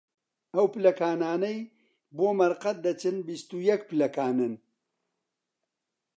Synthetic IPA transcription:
ɐwpɨlɐkaːnaːnɐj | boːmɐɾqɐt̪̚d̪ɐt͡ʃɨnbist̪ujɛk̚pɨlɐkaːnɨn

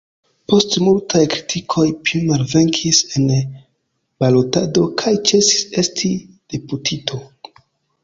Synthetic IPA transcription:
po̞stmultʰajkɾitʰikʰo̞jplimalve̞ŋkʰise̞n | b̥alo̞tado̞kʰajt͡ʃe̞si̥se̞stʰi | d̥eputʰitʰo̞

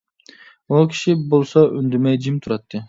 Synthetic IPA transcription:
okʲʰi̥ʃibolˠsɑʔynd̪yɾmɛjd͡ʒimt̪ʰuɾɑt̪ːɨ

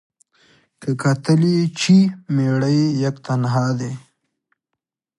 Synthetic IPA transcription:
kəkɐt̪əlit͡ɕʰimeɽəejɐkt̪ɐnɦaːd̪e

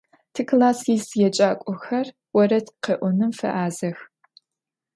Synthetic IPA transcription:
tʰɨkʰlaːsiːsjɛt͡ʃʼaːkʷʼɔxɐr | wɔɾɐtqeːʔʷɔnɨmfɐ̰ʔaːzɐx

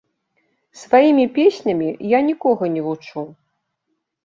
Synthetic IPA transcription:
svajimʲipʲesʲnʲɐmʲijanʲikɔɣɐnʲɛvut͡ʂu

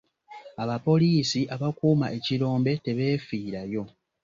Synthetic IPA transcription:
aβapo̞liːsiʔaβakuːmaʔe̞ciɾo̞ːmbe̞te̞βe̞ːfiːɾajo̞

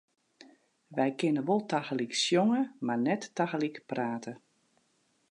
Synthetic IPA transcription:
ʋɛjkɪnəʋolˠtaxəliksjɔŋəmarnɛtːaxəlikpraːtʰə

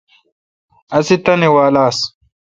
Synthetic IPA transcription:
ɐsit̪ɐnewaːlaːs

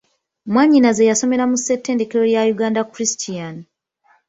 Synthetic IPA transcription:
mwaɲːinaze̞jaso̞me̞ɾamusːetːe̞ːnde̞ke̞ɾo̞ɾjajuɡaːndakuɾistʰian

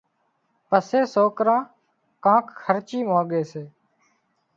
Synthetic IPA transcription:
pəseːsoːkɾãː | kãːkxʰəɾt͡ʃiːmãːɠeːseː

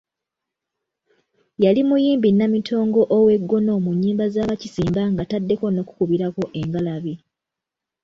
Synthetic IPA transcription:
jalimujiːmbinːamitʰo̞ːŋɡo̞ʔowe̞ɡːo̞no̞ːmuɲːiːmbazaːβacisiːmbaŋɡatadːe̞ko̞no̞ːku̥kuβiɾako̞ʔe̞ŋɡalaβi

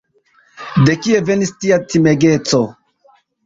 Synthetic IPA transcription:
de̞kie̞ve̞nistiatime̞ɡe̞t͡so̞

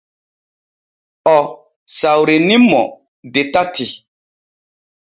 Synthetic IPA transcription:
ɔ | sawɾenĩmɔ | detati

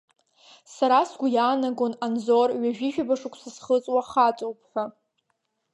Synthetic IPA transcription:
saɾasɡʷujaːnaɡonanzorɥaʒᶣiʒᶣabaʂukʷʰsɨsχət͡sʼwaχat͡sʼowpʰħʷᶣa

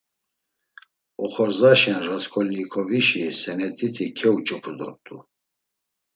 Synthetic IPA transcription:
ɔχɔɾzaʃɛnɾaskʰɔlnikʰɔviʃisɛnɛt̪ʼit̪ʰikʰɛut͡ʃʼɔpʰud̪ɔ̰ɾt̪ʼu

